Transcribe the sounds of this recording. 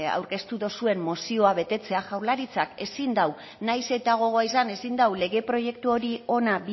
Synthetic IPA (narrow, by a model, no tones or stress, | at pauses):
a̰wɾke̞st̪uðo̞sue̞mːo̞sio̞aβe̞t̪e̞t͡se̞aʝawɾlaɾit͡sake̞sind̪aw | najse̞t̪aɣ̞o̞ɣ̞oaisane̞sind̪awle̞ɣe̞pɾo̞ʝe̞k̚t̪uo̞ɾio̞nabi